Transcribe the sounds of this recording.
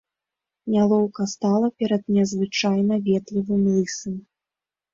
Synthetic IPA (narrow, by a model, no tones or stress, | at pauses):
nʲalˠɔwkɐst̪alˠɐpʲɛɾɐd̪nʲɛzvɨt͡ʂajnɐvʲɛt̪lʲivɨmlˠɨsɨm